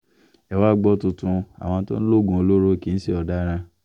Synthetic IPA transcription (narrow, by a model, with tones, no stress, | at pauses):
ɛ˨wa˦ɡ͡bɔ˦tu˧tũ˧a̰˨w̃ɔ̃˧˦to̰˦ñ̩˦lo˦˨ɡũ˧˨o˧lo˦ɾo˦˨ki˨˦n̩˦se˦ɔ˨da˦ɾ̃ã˧